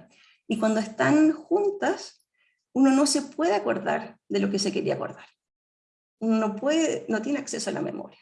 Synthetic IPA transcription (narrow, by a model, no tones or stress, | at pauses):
ikwand̪oest̪anxunt̪as | uno̞no̞se̞pwe̞ðeako̞ɾða̰ɾðelo̞ke̞sekeɾiako̞̰ɾðaɾ | unonopweðeenot̪jeneaksesoala̰me̞̰mʔo̞̰ɾja